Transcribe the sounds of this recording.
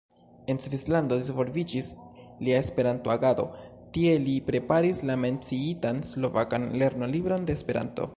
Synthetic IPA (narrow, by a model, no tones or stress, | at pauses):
e̞nsvislando̞d̪izvo̞lvid͡ʒisliae̞spe̞ɾanto̞aɡado̞̰ | tie̞lipɾe̞paɾislame̞nt͡siitanslo̞vakanle̞ɾno̞libɾo̞nde̞ːspe̞ɾa̰nto̞̰